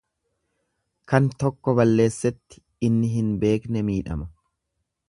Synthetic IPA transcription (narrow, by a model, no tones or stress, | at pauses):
kɐnt̪ɔkːɔbɐlːe̞ːsːɛt̪ːɪ̥ | ɪnːɪɦɪnbe̞ːknɛmiːᶑɐ̰mɐ